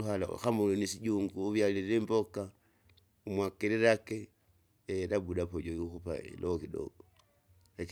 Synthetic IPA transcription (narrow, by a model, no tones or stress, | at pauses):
uhala̰xamulonisiɟuːŋɡuːβjaliɾemboka | umwakeɾiɾake | eɾabudapoɟojixupa̰ḭlokido̰ɡo | ek